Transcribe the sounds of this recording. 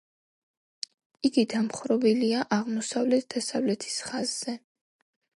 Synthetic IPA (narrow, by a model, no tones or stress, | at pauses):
iɡid̪amχɾɔbiliaʔaʁmɔsavlɛt̪̚ʰd̪asavlɛt̪ʰi̥sχaz̥ːɛ